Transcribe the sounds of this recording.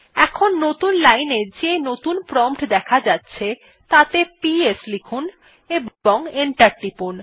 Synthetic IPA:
ɛkʰonːot̪unlajned͡ʑenot̪unpɾɔmpʈd̪ɛkʰad͡ʑatːɕʰe | t̪at̪epieslikʰun | eboŋeɳʈaɾʈipun

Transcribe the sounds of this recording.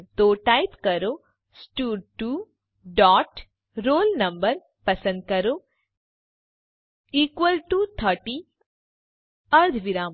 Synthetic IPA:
t̪oːʈajpkɐɾo | sʈuːɾʈu | ɖɔːʈ | ɾoːlnɐmbɐɾ | pɐsɐ̃nd̪̚kɐɾoː | iːkʋɐlʈut̪ʰɐɾʈi | ɐɾd̪ʱʋiɾaːm

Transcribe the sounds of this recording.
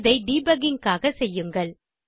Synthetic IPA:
ðɐɪɖiːbɐɡɪŋkaːɣɐsɛjːɯŋɡɐɭ

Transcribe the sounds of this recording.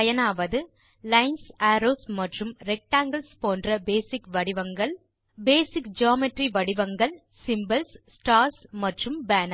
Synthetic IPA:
ɐjɐnaːʋɐðɯ | lɐɪnsaːɾoːsmɐʈrɯmɾɛk̚ʈaːŋɡɐɭspoːndrɐbeːsɪkʋɐɽɪʋɐŋɡɐɭ | beːsɪkd͡ʒaːmɪʈriʋɐɽɪʋɐŋɡɐɭ | sɪmbɐlssʈaːɾsmɐʈrɯmbaːnɐ

